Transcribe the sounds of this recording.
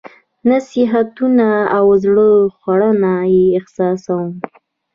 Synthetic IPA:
nasiɦat̪unaːwzɽəxwaɽənajeːxsɑsawəm

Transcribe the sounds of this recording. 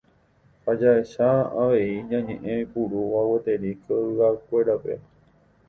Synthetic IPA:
had͡ʒaeʃaa̰ʋe̞iɲãɲḛ̃ʔẽĩpuɾuʋawet̪eɾikʰoɨhakʷe̞ɾape̞̰

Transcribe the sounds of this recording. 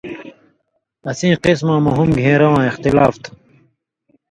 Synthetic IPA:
ɐsĩːqismãːmɐɦumɡʱẽːɾɐwãːixt̪ilaːft̪ʰ

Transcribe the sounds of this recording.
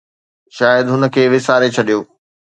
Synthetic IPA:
ʃaːjəd̪ɦʊnə̆kʰeːʋɪsaːɾet͡ɕʰɐɗijoː

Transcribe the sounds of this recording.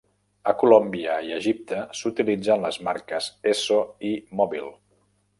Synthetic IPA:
əkulombiəiəʒip̚t̪əsut̪ilid͡zənləzmaɾkəzesoimɔβilˠ

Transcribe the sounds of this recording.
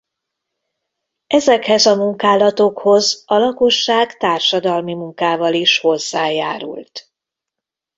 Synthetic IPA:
ɛzɛkhɛzɒmuŋkaːlɒt̪o̞kho̞zɒlɒko̞ʃːaːɡt̪aːrʃɒd̪ɒlmimuŋkaːvɒliʃho̞zːaːjaːɾṵlt̪

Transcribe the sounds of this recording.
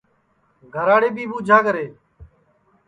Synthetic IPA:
ɡʱəɾaːɽeːbʱiːbuːd͡ʒʱaːkəɾeː

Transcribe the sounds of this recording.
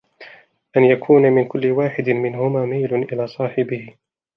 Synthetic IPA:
ʔanjakʰuːnamɪnkʊlːɪwaːħɪd̪ɪmɪnhʊmaːmajlʊnʔɪlaːsˤɑːħɪbɪh

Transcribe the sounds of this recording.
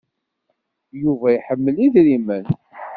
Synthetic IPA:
juvæjħəmːəliðɾimən

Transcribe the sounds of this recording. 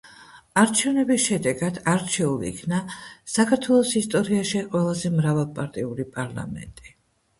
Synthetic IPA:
aɾt͡ʃʰɛvnɛbisʃɛd̪ɛɡad̪aɾt͡ʃʰɛulḭːkʰnasakʰaɾt̪ʰwɛlˠɔsist̪ʼɔɾiaʃiqʼwɛlˠazɛmɾavalˠpʼaɾt̪ʼiuɾipʼaɾla̰mɛ̰nt̪ʼi

